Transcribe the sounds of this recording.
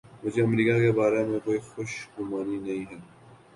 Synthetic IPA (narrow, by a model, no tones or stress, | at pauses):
mʊd͡ʒʱeɐmɾiːkakebaːɾemẽkoːixoʃɡʊmaːninɐɦĩːɦɛː